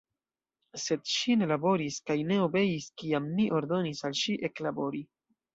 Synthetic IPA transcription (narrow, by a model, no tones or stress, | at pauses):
se̞dʃine̞labo̞ɾiskajne̞o̞be̞jiskiamniʔo̞ɾdo̞nisalʃiʔe̞klabo̞ɾi